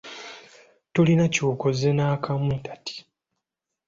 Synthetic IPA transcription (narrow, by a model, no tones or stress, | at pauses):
tulinacuːkozenaːkʰamintḁtʰi̥